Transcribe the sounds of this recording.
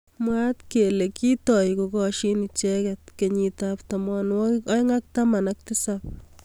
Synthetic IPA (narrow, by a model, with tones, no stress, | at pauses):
mwa˦t̪ke˨le˨ki˦t̪ɔ˨jko˨ɡɔ˧ʃi˦ni˨t͡ʃɛ˦ket̪̚ke˨ɲi˧t̪apt̪amɔ˨nwɔɔ˦jŋa˦k̚t̪a˦ma˨na˦k̚t̪ɪ˦sap̚